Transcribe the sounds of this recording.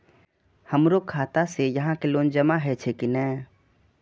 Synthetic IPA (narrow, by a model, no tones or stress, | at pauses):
həmɾokʰaːt̪asejəɦãkeloːnd͡ʒəmaɦɛt͡ʃʰekinɛː